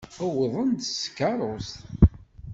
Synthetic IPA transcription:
əwəðˤənd̪skːɑɾˤost̪

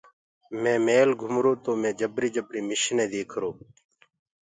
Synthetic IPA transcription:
mẽːmeːlɡʱʊmɾoːt̪oːmẽːd͡ʒəbɾiːd͡ʒəbɾiːmɪʃnẽːd̪eːkʰɾoː

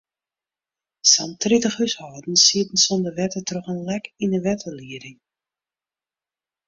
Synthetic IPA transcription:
santritəxhyshɔːdn̩siətən̩sondəʋɛtətroχənlɛkindəʋɛtʰəliədɪŋ

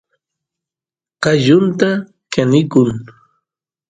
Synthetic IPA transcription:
qɑʎʊnt̪a | kanɪkʊŋ

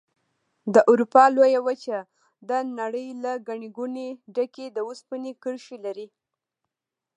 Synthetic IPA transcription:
d̪əʔaɾupɑlojawət͡ʃa | d̪ənaɽəjlaɡaɳeɡuneɖaked̪əuspənekəɽʃilaɾi

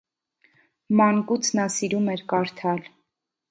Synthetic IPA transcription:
mɑŋkut͡sʰnɑsiɾumɛɾkɑɾt̪ʰɑl

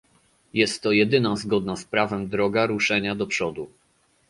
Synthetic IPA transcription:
jɛst̪ːɔjɛd̪ɘnazɡɔd̪naspɾavɛmd̪ɾɔɡaɾuʂɛɲad̪ɔpʂɔd̪u

